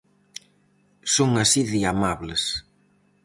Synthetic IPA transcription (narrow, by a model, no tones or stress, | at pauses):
soŋasiðiamaβles